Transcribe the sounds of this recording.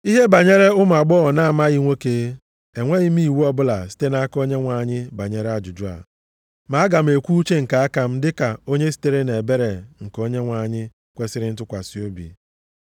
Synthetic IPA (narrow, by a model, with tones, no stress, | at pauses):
i˦ɦe˦ba˨ɲe˦ɾe˦ʊ˦m˨a˨ɡ͡bɔ˦˨na˦˨ma˦ɣi˦ŋʷe˦ke˨˦ | e˨ŋʷe˦ɣɪ˦m̩˦i˦˨wu˦ɔ˦bʊ˦la˨si̥˦te˦na˦a˦ko˦ɲe˦ŋʷa˨ɲɪ˦ba˨ɲe˦ɾa˦d͡ʒʊ˨d͡ʒʊ˦a̰˨ | ma˨˦ɡa˨m̩˦e˨kʷu˦u˦t͡ʃe˦ŋ̩˨ka˨a˦ka˨m̩˦dɪ˦ka˨o˦ɲe˦s̬i̥˦te˦ɾe˦ne˨be˦ɾe˨ŋ̩˨ko˦ɲe˦ŋʷa˨ɲɪ˦ | kʷe˦sɪ˦ɾɪ˦n̩˦tʊ˦kʷa˨si˨˦o˦bḭ˨